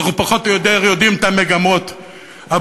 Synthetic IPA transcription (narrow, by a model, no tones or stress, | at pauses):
χupaχo̞t̪jot̪eʁjod̪imt̪ameɡamo̞t̪ | a